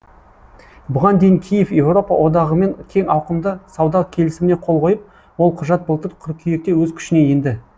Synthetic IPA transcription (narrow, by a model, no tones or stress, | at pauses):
bʊʁɑnd̪e̞jɪŋkʲʰijefje̞wro̞pɑwʔo̞d̪ɑʁəme̞ŋkʲʰe̞ŋɑwqəmd̪əsɑwd̪ɑkʲʰe̞lɪsɪmɪne̞qʰo̞lˠqʰo̞jəp̚ | wo̞lˠqʰʊʒɑt̪̚bəlˠt̪əɾqʲʰʊɾ̚kʲʰʏje̞k̚t̪e̞wɵzkʲʰʏ̥ʃɪne̞jend̪ɪ